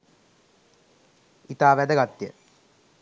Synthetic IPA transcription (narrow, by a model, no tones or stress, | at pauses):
it̪aːʋæd̪əɡat̪jə